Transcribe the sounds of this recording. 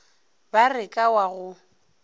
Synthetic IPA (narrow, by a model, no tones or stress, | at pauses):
barɪkʼawaɣʊ